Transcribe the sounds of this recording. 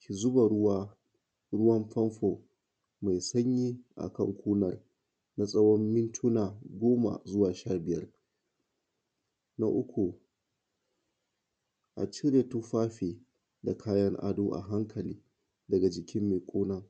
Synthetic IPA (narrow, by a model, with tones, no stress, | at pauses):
kʲi˨zʊ˦ba˨ɽʊ˦wa˦ | ɾʊ˦wɐ˦mɸɐ˦mɸo˨ | ma˨jsɐ˦ɲjiː˦ʔa̰˨kɐ˦˨ŋkʷuː˦nɐ˦r | na˦sʼɐ˦wɔ˦mːɪ˦ntʰʊ˦naː˨ɡʷoː˦ma̰˨zʊ˦waː˨ʃaː˦bɪ˨jɐ˦r | na˦ʔʊ˦kʷu˨ | ʔa̰˨t͡ʃɪ˦ɾe˨tu˦ɸaː˦ɸeː˨ | da˨kʰaː˦jɐ˦ŋʔa̰˦doː˦ʔa̰˨ɦa˦ŋkʰɐ˨liː˦ | dɐ˨ɡa˨d͡ʒɪ˨kʲɪ˦mːeː˨kʷʼoː˦na˦